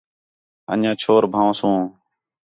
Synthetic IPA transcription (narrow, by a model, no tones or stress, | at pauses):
ə̰ɲãːt͡ʃʰoːɾbʱãːʋsũː